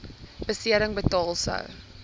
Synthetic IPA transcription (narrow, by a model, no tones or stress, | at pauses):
bəsiəɾəŋbətɔlˠsə̰w